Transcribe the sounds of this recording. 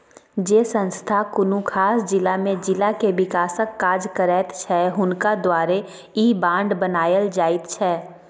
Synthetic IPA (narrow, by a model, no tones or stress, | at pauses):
d͡ʒeːsə̃nst̪ʰakʊnukʰaːsd͡ʒɪlamẽd͡ʒɪlakeʋɪkaːsəkːaːd͡ʒkəɾɛːt̪t͡ʃʰɛɦʊnkad̪waːɾe | ibãːɳɖbənaːjəld͡ʒaːɪt̪t͡ʃʰɛː